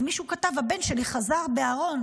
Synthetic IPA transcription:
miʃukatavabe̞nʃe̞liχazaʁbe̞aʁo̞n

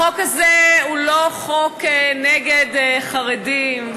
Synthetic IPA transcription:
okazeuloχokneɡedχaʁedim

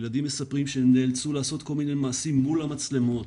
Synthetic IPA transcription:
lad̪imːe̞sapʁimʃenelt͡sulaːso̞t̪ko̞lminemaːsimːulamat͡sle̞mo̞t

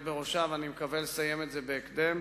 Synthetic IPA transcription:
beʁoʃavanimekavelesajemet̪zebeːkd̪em

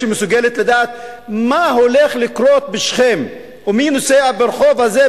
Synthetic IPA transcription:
imesuɡelet̪lad̪aːt̪ | maɦoleχlikɾot̪̚beʃχem | uminoseabeɾχo̞vhaze

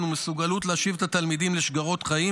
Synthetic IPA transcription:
numesuɡalutleaʃivet̪at̪almid̪imleʃɡaʁo̞t̪χaji

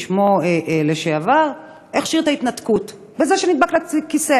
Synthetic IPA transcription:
ʃmoeʔleʃeavaʁ | ʔeχʃiʁt̪ait̪nat̪kut | bezeʃenid̪̚baklaikise

